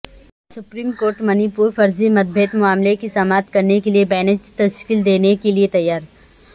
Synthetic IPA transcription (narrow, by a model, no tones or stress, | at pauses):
sʊpɾiːmkoːɾʈmɐnipuːɾfɐɾzimɐd̪̚bʱeːt̪mʊaːmlekisɐmaːt̪kɐɾnekeliebɛːnɪd͡ʒt̪ɐʃkiːld̪eːnekeliet̪ɐjːaːɾ